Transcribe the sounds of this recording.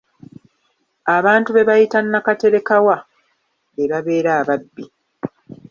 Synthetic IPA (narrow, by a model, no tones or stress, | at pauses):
aβaːntuβe̞βajitanːakate̞ɾe̞kawa | βeβaβe̞ːɾaːβabːi